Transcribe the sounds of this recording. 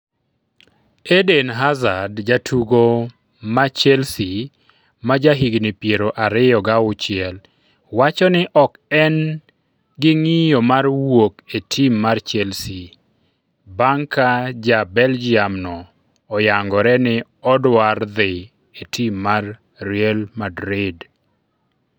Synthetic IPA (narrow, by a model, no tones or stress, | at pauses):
edenɦazadd͡ʒatʰuɡo | mat͡ʃɛlsi | mad͡ʒaɦiɡnɪpjeɾoʔaɾɪjɔɡaʊt͡ʃɪɛl | wat͡ʃɔnɪʔɔkɛn | ɡɪŋɪjomarwoketʰimːart͡ʃɛlsi | baŋkad͡ʒabɛld͡ʒɪamnɔː | jaŋɡɔɾɛnɪ | ɔdward̪ɪ | etʰimːarː | iɛlmadɾɪd